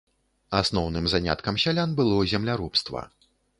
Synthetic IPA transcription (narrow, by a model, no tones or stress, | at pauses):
asnɔwnɨmzanʲa̰t̪kɐmsʲalʲanbɨlˠɔzʲɛmlʲaɾupst̪vɐ̰